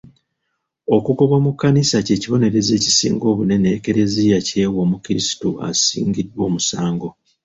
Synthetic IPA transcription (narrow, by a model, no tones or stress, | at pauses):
o̞kukoβamukːanisace̞ːciβo̞ne̞ɾe̞ze̞ːci̥sḭːŋɡo̞ːβune̞ne̞ːke̞ɾe̞zijace̞woːmukiɾisi̥tua̰sḭːŋɡidwo̞ːmusaːŋɡo̞